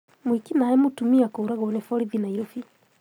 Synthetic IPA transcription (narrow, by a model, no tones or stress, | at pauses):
mwikinaɛmutumiakoɾaɣɔnɛfɔɾiðinaiɾofi